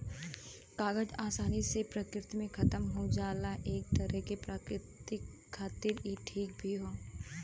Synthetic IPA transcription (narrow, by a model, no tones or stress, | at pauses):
kaːɡəd͡ʒaːsaːnisepɾɐkɾɪt̪mẽkʰɐt̪əmɦod͡ʒaːlaʔeːk̚t̪ɐɾɛkepɾaːkɾɪt̪ɪkʰːaːt̪ɪɾiʈʰiːk̚bʱiɦoː